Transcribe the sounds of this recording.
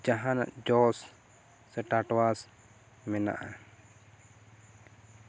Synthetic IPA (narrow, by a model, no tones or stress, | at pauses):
d͡ʒaɦana̰ʔd͡ʒɔsː | ɛʈaʈwas | mɛna̰ʔa